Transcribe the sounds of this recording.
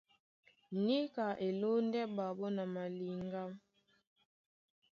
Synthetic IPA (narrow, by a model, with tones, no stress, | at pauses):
ni˦ka˨ʔe˨lo˦ndɛ˦ba˨bɔ˦na˨ma˨li˨ŋɡa˦m